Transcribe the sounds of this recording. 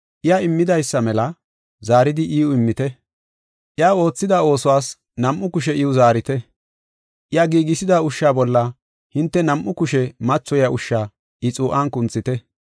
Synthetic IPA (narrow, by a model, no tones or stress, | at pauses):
ʔɪjaɪmːɪd̪ɐjsːɐmɛlɐ | zaːɾɪd̪ɪʔiːʊɪmːɪt̪ɛ | ʔɪaːo̞ːt͡sːɪd̪ao̞ːsɔwaːs | nɐmʔʊkʊʃ̬ɛʔɪʊzaːɾɪt̪ɛ | ʔɪjaɡiːɡɪsɪd̪aʊʃːaːbɔlːɐ | hɪnt̪ːɛnɐmʔːʊkʊʃɛmɐt͡ʃːɔjɐʔʊʃːaː | ʔɪt͡sʼuːʔankʊnt͡sːɪt̪ɛ